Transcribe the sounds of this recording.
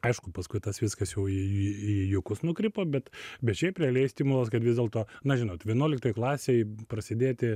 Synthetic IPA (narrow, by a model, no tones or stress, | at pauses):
ɐɪʃkʊpɐskʊɪt̪ɐsʋʲɪskɐsjɛʊiijʊkʊsnʊkɾʲɪpoːbʲɛt̪bʲɛt̪ʃʲɛɪpʲɾʲɛlʲɛɪsʲtʲimʊlˠɐskɐt̪ʋʲɪzd̪ʲeːlˠt̪oːnɐʒʲɪnoːt̪ʋʲiɛnuɔlʲɪk̚t̪oːjklˠɑːsʲejpɾɐsʲɪd̪ʲeːt̪ʲɪ